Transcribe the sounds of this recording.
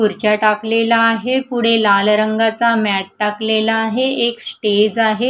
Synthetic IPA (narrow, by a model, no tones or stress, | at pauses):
uɾt͡ɕjaʈaklelaːɦepuɽ̤elalɾəŋɡat͡samæʈ̚ʈaklelaːɦeeksʈed͡zaɦe